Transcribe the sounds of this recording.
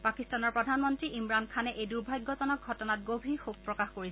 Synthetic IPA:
pakistanɔɹpɹɔdʱanmɔntɹiʔimɹankʰanɛʔejduɹbʱajɡːɔtɔnɔk̚ɡʱɔtɔnat̚ɡobʱixub̚pɹɔkaxkoɹisɛ

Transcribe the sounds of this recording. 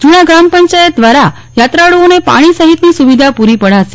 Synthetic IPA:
d͡ʒunaɡɾampəɲt͡ʃajət̪̚d̪ʋaɾa | jat̪ɾaɭuonepa̰ɽ̃isəɦit̪nisuʋid̪ʱapuɾipəɽ̤aʃe̥

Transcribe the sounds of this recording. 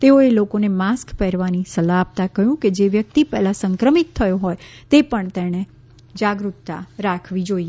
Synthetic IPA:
t̪eoelokonemaskpɛɾʋanisəlaːp̚t̪akəɦjũked͡ʒeʋjək̚t̪ipɛɦlãsəŋkɾəmit̪ʰːəjoɦɔjt̪epəɳt̪ɛñe | d͡ʒaɡɾut̪t̪a̰ɾakʰʋid͡ʒoie

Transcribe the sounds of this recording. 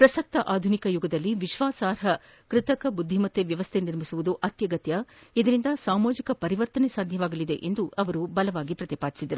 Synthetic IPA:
pɾɐsɐk̚t̪ɐʔaːd̪ʱunikɐjuɡɐd̪ɐlːiʋiʃʋaːsaːɾɦɐ | kɾɪt̪ɐkɐbud̪ʱːimɐt̪ːeʋjɐʋɐst̪ʰe̞niɾmisuʋud̪uʔɐt̪jɐɡɐt̪jɐid̪ɐɾind̪ɐsaːmoːd͡ʒikɐpɐɾiʋɐɾt̪ɐnesaːd̪ʱjɐʋaːɡɐlid̪e̞̰ʔend̪uɐʋɐɾubɐlɐʋaːɡipɾɐt̪ipaːd̪i̥sid̪ɐɾu

